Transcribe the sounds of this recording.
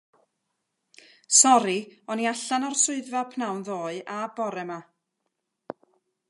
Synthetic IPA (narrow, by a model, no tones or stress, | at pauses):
sɔɾiɔniaɬanɔrsʊɨðvapʰnawnðoːɨʔabɔɾɛma